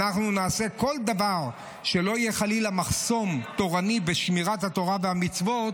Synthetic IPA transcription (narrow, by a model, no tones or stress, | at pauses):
aχnunaːse̞ko̞ld̪avaʁ | ʃe̞lo̞ijeχalilamaχso̞mt̪o̞ʁanibeʃmiʁat̪hat̪o̞ʁaveamit͡svo̞t